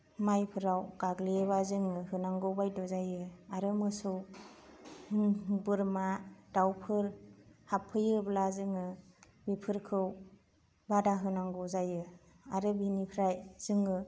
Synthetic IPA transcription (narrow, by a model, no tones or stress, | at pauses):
majpʰɯɾawɡ̥aɡleβazɯŋɯhɯnaŋɡɯwbajdɔzajɯaɾɯmɯsɯw | ɯmbɯɾmad̥awpʰɯɾhapʰɯjɯblazɯŋɯ | bipʰɯɾkʰɯw | badaɦɯnaŋɡɯzajɯ | aɾɯbinipʰɾajz̥ɯŋɯ